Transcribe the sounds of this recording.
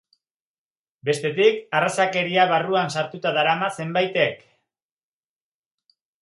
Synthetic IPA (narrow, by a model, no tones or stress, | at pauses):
be̞st̪e̞t̪ikarasake̞ɾiaβ̞aruansaɾt̪ut̪aðaɾamase̞mbajt̪e̞k